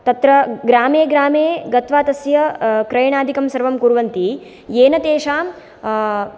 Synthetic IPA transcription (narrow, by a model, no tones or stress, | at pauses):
t̪ɐt̪ɾɐɡɾaːmeːɡɾaːmeːɡɐt̪ʋaːt̪ɐsjɐkɾɐjɳaːd̪ʱikɐmsɐɾʋɐmkuɾʋɐnt̪i | jeːnɐt̪eːʂaːm